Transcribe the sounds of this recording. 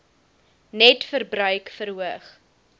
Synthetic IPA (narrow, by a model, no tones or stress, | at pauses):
nɛtfərbɾœɥkfəɾɦuəχ